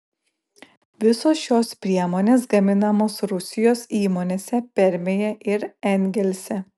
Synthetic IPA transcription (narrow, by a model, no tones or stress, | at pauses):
ʋʲɪsosʃoːspʲɾʲiɛmoːnʲeːsɡɐmʲɪnɐmoːsɾʊsʲɪjoːsiːmoːnʲeːsʲɛpʲɛɾʲmʲejɛʔɪɾɛnʲɡʲɛlʲsʲɛ